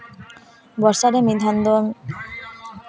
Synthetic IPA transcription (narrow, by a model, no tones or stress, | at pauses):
bɔɾʃaɾemid̪ʱand̪ɔm